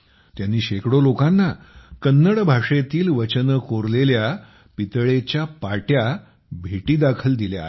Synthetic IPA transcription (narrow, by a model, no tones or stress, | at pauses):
t̪janːiːɕekɽolokanːa | kənːəɽbʱaʂet̪iːlʋət͡ɕənəkoɾlelja | pit̪ɭet͡ɕjapaʈja | bʱeʈiːd̪akʰəld̪ilja̰